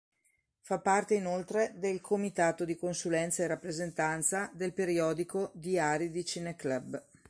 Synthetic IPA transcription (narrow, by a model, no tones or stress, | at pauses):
fapːart̪einolt̪ɾed̪elkʰomit̪aːt̪od̪ikonsulɛnt̪saerapːɾezent̪ant̪sad̪elpeɾiɔːd̪ikod̪iaːɾid̪it͡ʃineklab